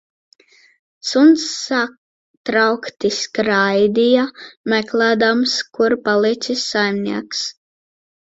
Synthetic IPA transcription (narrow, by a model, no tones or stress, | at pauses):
sunsːak | t̪ɾawkt̪iskɾajd̪ijamɛklˠæːd̪amskuɾpalˠit̪sʲisːajmnʲiɛks